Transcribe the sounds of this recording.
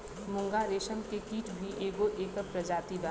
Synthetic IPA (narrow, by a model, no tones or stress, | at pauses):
mʊ̃ŋɡaɾeːʃənkekiːʈbʱiʔeːɡoʔeːkəpɾəd͡ʒaːt̪iba